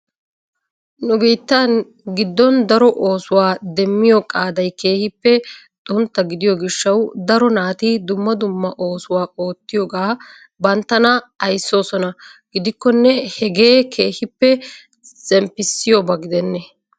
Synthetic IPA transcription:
nʊɡiːt̪ːan | ɡɪd̪ːɔnd̪ɐɾɔʔo̞ːsʊwaːd̪ɛmːɪjɔkʼaːd̪ɐjke̞ːhɪpːɛ | t̪ʼʊnt̪ːɐɡɪd̪ɪjɔɡɪʃːɐwd̪ɐɾɔnaːt̪id̪ʊmːɐd̪ʊmːɐʔo̞ːsʊwaːʔo̞ːt̪ːɪjoːɡaː | bɐnt̪ːɐnɐ | ɐjsːo̞ːsɔnɐɡ̥ɪd̪ɪkːɔnːɛhɛɡe̞ːkʰe̞ːhɪpːɛ | sɛmpːɪsːɪjɔbɐɡɪd̪ɛnːɛ

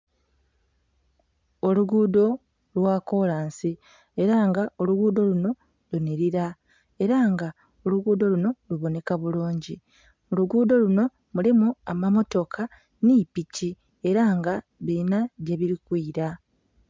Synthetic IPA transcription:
o̞luɡuːdo̞ | lwaːko̞laːnsi | e̞ɾaŋɡao̞luɡuːdo̞luno̞ | luniɾiɾa | e̞ɾaŋɡa | o̞luɡuːdo̞luno̞luβo̞ne̞kaβuluːɲɟi | oluɡuːdo̞luno̞ | mulimuamamo̞to̞kʰa | nipici | e̞ɾaŋɡa | βinaɟe̞βiɾikwiːɾa

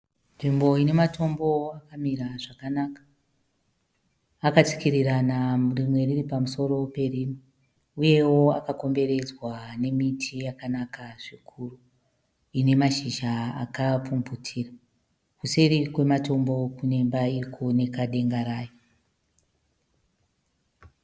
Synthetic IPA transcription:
nʐimbo̞ine̞mato̞mbo̞akamiɾaʐakanakḁ | kat͡si̥kiɾiranamurimwe̞riripamuso̞ɾo̞pe̞riːmi | uje̞wo̞a̰kako̞mbe̞ɾe̞d͡zwane̞mitʰijakanakaʐikʰuru | ine̞maʃiʒaakapumbutʰiːra | kuseɾikwe̞mato̞mbo̞kune̞mbairikuone̞kaɗe̞ŋɡaɾaːjo

